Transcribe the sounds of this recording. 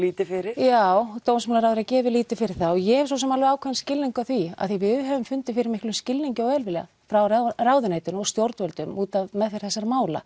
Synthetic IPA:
liːt̪ɪfɪɾɪɾ̥jaːwt̪oːwnsmɛlaɾawðʏɾacɛːvɪliːt̪ɪfɪɾɪɾ̥θaɔɣjɛs̬ɔs̬ɛmalvɛaːwkʰvɛnscɪlniŋkaθvia̰ðθivɪðɦɛvʏmfʏnt̪ɪfɪɾɪɾmɪhklʏmscɪlniɲcɪɔɣɛlvɪlja̰ | fɾawrawðʏneːjt̪ʏnɔst̪jowɾt̪vœlt̪ʏmuːt̪avmɛðfɪɾ̥θɛsːaɾmaːwla̰

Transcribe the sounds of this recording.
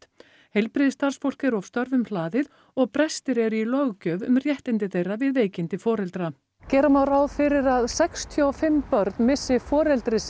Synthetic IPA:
hejlpɾiðɪst̪aɾ̥sfowl̥kɛɾɔv̥st̪œɾvʏmlaːðɪð | ɔɣpɾɛst̪ɪɾɛɾʏilœɣcœːvʏ̰mrjɛht̪ɪnt̪ɪθejrːavɪðveːjcɪnt̪ɪfɔːɾɛlt̪ɾa | cɛːɾamawraːwðfɪɾɪɾaðsɛkst̪ʰjɔɔfɪmːpœɾt̪nmɪsːɪfɔːɾɛlt̪ɾɪs

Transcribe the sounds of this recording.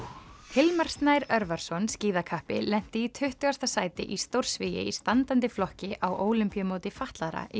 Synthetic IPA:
hɪlmaɾ̥st̪najɾœɾvaɾ̥sɔnsciːðakʰahpɪ̰lɛn̥t̪ɪit̪ʰʏht̪ʏɣast̪asaːjt̪ɪ̰ʔist̪owɾ̥svijɪ̰ist̪ant̪ant̪ɪflɔhcɪʔawʔoːwlʏmpijamoːwt̪ɪfaht̪laɾa̰ʔi

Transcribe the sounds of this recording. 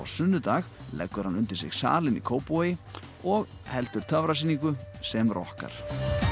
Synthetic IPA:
a̰wsʏnːʏt̪aːɣlɛ̰kːʏɾ̥hanʏnt̪ɪɾ̥sɪ̰ɣsa̰ːlɪnḭkʰoːwpojɪ | ɔɣ | hɛlt̪ʏɾ̥t̪ʰœvɾasiːniŋkʏsɛmrʔɔhka̰ɾ̥

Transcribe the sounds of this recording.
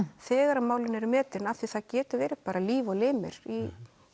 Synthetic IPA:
θɛːɣaɾamaːwlɪnɛɾʏmɛːt̪ɾɪnaθiθaðcɛːt̪ʏɾvɛːɾɪpaːɾaliːvɔleːmɪ̰ɾ̥i

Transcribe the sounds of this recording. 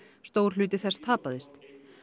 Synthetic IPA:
st̪oːwɾ̥lʏːt̪ɪθɛst̪ʰaːpaðɪst̪

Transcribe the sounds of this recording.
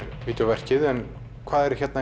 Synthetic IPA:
ɾviːt̪ʏvɛr̥cɪðɛn | kʰvaːðɛɾ̥çɛt̪na

